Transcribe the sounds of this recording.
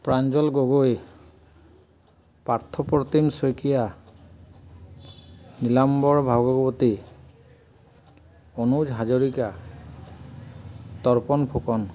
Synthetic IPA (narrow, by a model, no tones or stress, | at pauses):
pɹand͡ʒɔlɡoɡoj | paɹt̪ʰɔpɹɔt̪imsojkija | nilambɔɹbʱaɡɔɡɔpɔti | ɔnud͡ʒɦad͡ʒoɹika | t̪ɔɹpɔnpʰokɔn